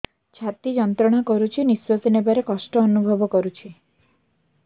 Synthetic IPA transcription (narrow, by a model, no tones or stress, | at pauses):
t͡ʃʰat̪id͡ʒɔnt̪ɾɔɽ̃akɔɾut͡ʃʰiniswɔt̪inebaɾekɔsʈɔːnubʱɔbɔkɔɾut͡ʃʰi